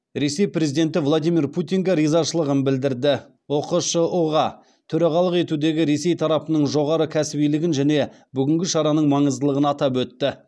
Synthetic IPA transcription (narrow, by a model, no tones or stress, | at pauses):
ɾe̞se̞jpɾe̞zid̪e̞nt̪ɪvlˠad̪ijmirpʰut̪iŋɡʲeɾijzɑʃəlˠəʁənbɪld̪ɪɾd̪ɪ | woquʃəoʁɑ | t̪ʰʏɾɑʁɑlˠəqe̞t̪ud̪e̞ɡʲɪɾe̞se̞jt̪ʰɑɾɑpənəɴʒo̞ʁɑɾəkʲʰæsɪbijlɪɡʲɪnʒæne̞ | bʏɡʲɪŋɡʲɪʃɑɾɑnəɴmɑɴəzd̪əlˠəʁənɑt̪ɑpwɵt̪ːɪ